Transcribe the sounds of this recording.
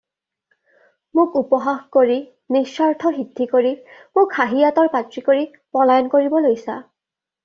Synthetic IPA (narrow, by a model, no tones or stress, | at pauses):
mʊkupɔɦaxkoɹi | nisːaɹtʰɔɦidʱːikoɹimʊkhaɦijatɔɹkatɹikoɹi | pɔlajɔnkoɹibɔlojsa